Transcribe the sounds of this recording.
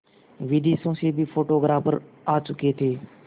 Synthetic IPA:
ʋiːɖiːsõːseːbiːfʰoːʈoːɡɾaːpəɾ | aːt͡ʃʊkeːt̪ʰeː

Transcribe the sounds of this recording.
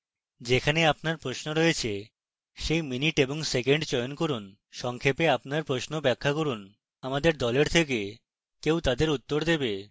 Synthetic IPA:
d͡ʑekʰaneapnaɾpɾosnoɾɔjet͡ɕʰe | ʃejminiʈeboŋsekeɳɖt͡ɕɔjonkoɾun | ʃɔŋkʰepeapnaɾpɾosnobɛkʰːakoɾun | amad̪eɾd̪ɔleɾt̪ʰek̬e | kewt̪ad̪eɾut̪ːoɾd̪ebe

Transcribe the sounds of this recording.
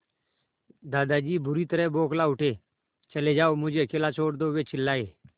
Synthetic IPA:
d̪aːd̪aːd͡ʒiːbʊɾiːt̪əɾɛboːklaːʊʈʰeː | t͡ʃəleːd͡ʒaːoːmʊd͡ʒʱeːkeːlaːt͡ʃʰoːɽd̪oːʋeːt͡ʃʰɪlːaːeː

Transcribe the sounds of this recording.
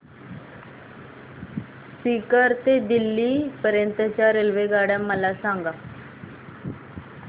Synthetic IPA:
sikəɾt̪ed̪ilːiːpəɾjənt̪ət͡ɕjaɾelʋeɡaɽamːəlasãŋɡa

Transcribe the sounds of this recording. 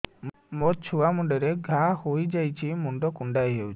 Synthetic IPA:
mot͡ʃʰuamuɳɖɔɾeɡʱahojd͡ʒajt͡ʃʰimuɳɖɔkuɳɖajɦewt͡ʃʰi̥

